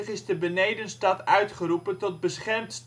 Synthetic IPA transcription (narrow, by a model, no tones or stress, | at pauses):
əχɪzdəbənejdənstɑtœɥtχəɾupəntɔt̚bəsχɛrmtst